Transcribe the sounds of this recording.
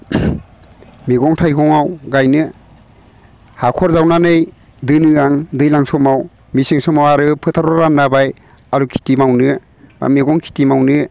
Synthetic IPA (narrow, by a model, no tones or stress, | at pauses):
miɡɔŋtʰajɡɔŋawɡajnɯ | hakʰɔɾzawnanɯj | dɯnɯaŋdɯjlaŋsɔmaw | misiŋsɔmawaɾɯpʰɯtʰaɾɔɾanːabaj | aɾukʰi̥timawnɯ | ba̰miɡɔŋkʰi̥timawnɯ